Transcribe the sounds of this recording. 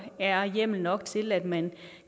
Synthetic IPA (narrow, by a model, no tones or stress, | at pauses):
æɐjem̰l̩nɒ̽ɡ̥t͡sʰe̝læd̥mæn